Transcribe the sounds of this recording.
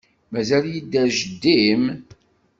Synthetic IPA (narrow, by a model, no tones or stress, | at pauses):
mæzæljid̪ːæʒəd̪ːim